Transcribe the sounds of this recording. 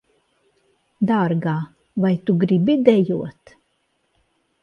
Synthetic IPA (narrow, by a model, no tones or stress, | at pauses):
d̪aɾɡaː | vajt̪uɡɾibid̪ɛjuɔt̪